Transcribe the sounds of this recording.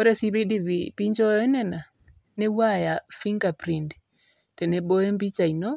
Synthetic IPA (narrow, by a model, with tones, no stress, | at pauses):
ɔ˦ɾɛ˦si˦βi˦di˦βi˨pi˦ɲd͡ʒɔ˦ɛ˦nɛ˦˨na˨ | nɛ˦wa˦ja˨fi˦ŋɡa˨pɾi˨nd | tɛ˨nɛ˨bɔ˦ɛ˦mbi˦t͡ʃa˨i˨nɔ˦